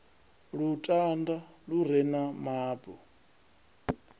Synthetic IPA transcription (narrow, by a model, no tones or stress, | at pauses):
ɺutʼandaɺuɾɛnamaːbɔ